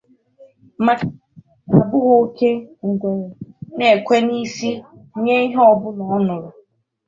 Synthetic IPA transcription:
ma˨ | a˨bʊ˦ɣʊ˦ke˦ŋ̩˨ɡʷe˨ɾe˨ne˨kʷe˦ni˦si˦ɲe˦i˦ɦɔ˦bʊ˦nɔ˨ɔ˦nʊ˨ɾʊ˨

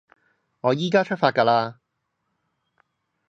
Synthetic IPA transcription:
ŋɔː˨˧jiː˥kaː˥t͡ʃʰɵ˥t̚faː˧t̚kaː˧laː˧

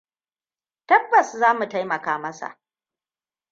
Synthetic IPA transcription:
tɐ˦bːɐ˨szaː˦mu˨ta˦jmɐ˨kaː˦mɐ˦sa̰˨ʔ

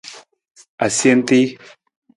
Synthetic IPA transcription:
a˨sje˦nt̪i˦

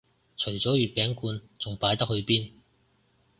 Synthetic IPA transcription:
t͡ʃʰɵ˨˩ɥt͡sɔː˨˥ɥyː˨t̚pɛː˨˥ŋkuː˧nt͡sʊ˨ŋpaː˨˥jt̪ɐ˥k̚hɵ˨˧ɥpiː˥n

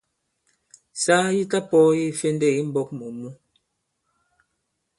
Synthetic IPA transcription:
saː˦ji˦ta˦pɔ˦ji˦fe˦ndɛ˦˨i˦m̩˦bɔ˦k̚mu˨mu˦

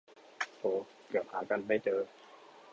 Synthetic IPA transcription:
ʔoː˧˩ | kɯ˨˩ət̪̚haː˩˦ka˧nːa˥˩jt͡ɕɤː˧

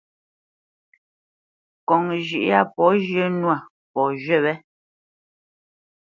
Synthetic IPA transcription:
kɔ˨ŋʒʉ˨ʔa˦˨pɔ˨˦ʒjə˦nwa˦˨ | pɔ˨ʒɥɛ˦˨βɛ˦

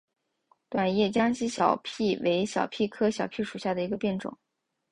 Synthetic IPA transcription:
t̪wa˨˩njɛ˥˩t͡ɕjɑ˥ŋɕi˧˥ɕjɑ˨˩ʊpʰi˥˩we˧˥ɪɕjɑ̰˨˩ʊpʰi˥˩kʰɤ˥ɕjɑ˨˩ʊpʰi˥˩ʂu˨˩ɕja˥˩d̪ə˩i˧˥ɡə˧pjɛ˥˩nʈ͡ʂʊ̰˨˩˦ŋ

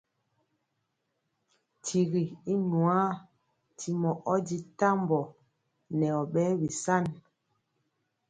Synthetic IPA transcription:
tʰi˨ɣi˨i˦nu˨a˦ | tʰi˨mɔ˨ʔɔ˦di˦ta˦mbɔ˨ | nɛ˨ɔ˨ɓɛ˦bi˨sa˦˨n

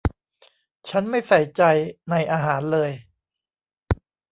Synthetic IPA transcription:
t͡ɕʰa˦˥nma˥˩jsa˨˩jt͡ɕa˧jna˧jʔaː˧ɦaː˩˦nlɤː˧j

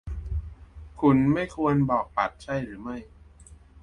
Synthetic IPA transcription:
kʰu˧nma˥˩jkʰu˧ənbɔː˨˩k̚pa˨˩t̪̚t͡ɕʰa˥˩jɾɯː˩˦ma˥˩j

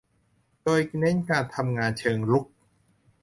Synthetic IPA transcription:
doː˧jne˦˥nkaː˧nt̪ʰa˧mŋaː˧nt͡ɕʰɤː˧ŋɾu˦˥k̚

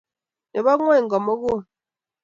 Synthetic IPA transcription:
ne˨βɔ˦ŋwe˦˨ŋ̩˨ɡɔ˨mɔ˦ɣu˦˨

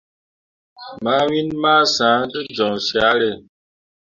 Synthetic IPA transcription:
ma˨˦wi˦nmaː˦sã˨˦də˦d͡ʒɔ˨ŋsi˨a˨˦ɾe˦˨

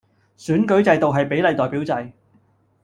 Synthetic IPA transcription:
syː˨˥nkɵ˨˥ɥt͡sɐ˧jt̪o˨wɦɐ˨jpe˨˥lɐ˨˧jt̪ɔː˨˩jpiː˨˥wt͡sɐ˧j

